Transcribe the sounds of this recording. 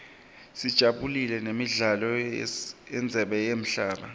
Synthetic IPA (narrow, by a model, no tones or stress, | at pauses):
sid̥ʒ̥ʱaɓulilɛnemiɮalɔ | ɛnd͡zʱɛɓɛjem̩ɬaːɓa